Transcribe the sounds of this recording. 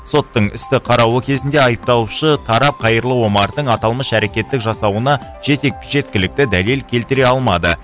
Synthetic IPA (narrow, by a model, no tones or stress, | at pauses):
so̞t̪ːəɴʏ̰st̪ɪqʰɑɾɑwəkʲʰe̞zɪnd̪e̞ɑjəp̚t̪ɑlˠuʃət̪ʰɑɾɑp̚qʰɑjəɾlˠəwo̞mɑɾd̪əɴɑt̪ɑlˠməʃæɾe̞kʲe̞t̪ːɪkʒɑsɑwənɑ | ʒe̞t̪ekʒe̞t̪̚kʲɪlɪk̚t̪ɪd̪æle̞lkʲʰe̞lt̪ɪɾe̞ɑlˠmɑd̪ə